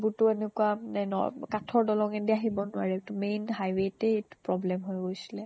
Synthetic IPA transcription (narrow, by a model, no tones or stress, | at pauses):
butʊɛnɛkuanɛnɔ̰katʰɔɹdɔlɔŋɛdiaɦibɔnʊaɹɛtumenɦajwetɛetu̥pɹɔblɛmɦojɡojsi̥lɛ